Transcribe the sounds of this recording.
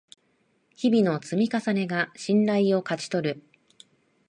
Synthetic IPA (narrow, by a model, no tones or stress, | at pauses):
çibʲino̞t͡sɨmʲikasane̞ɡaɕĩnɾaio̞kat͡ɕi̥t̪o̞ɾɯ̟